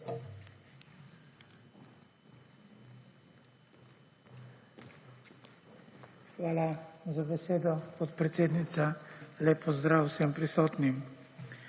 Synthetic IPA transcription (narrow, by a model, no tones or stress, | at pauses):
xʋaːlazabɛseːd̪ɔpot̪pɾɛt̪seːd̪nit̪salɛpʰɔzd̪ɾaːwsɛmpɾisɔːt̪nim